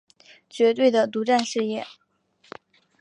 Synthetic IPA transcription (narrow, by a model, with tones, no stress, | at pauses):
t͡ɕɥɛ˧˥t̪̬we˥˩ɪd̪ə˩t̪u˧˥ʈ͡ʂa˥˧nʂɻ̩˥˧jɛ˥˩